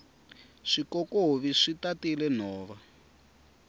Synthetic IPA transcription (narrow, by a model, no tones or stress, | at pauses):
ʂikɔkoβiʂitatilɛn̤ɔːβa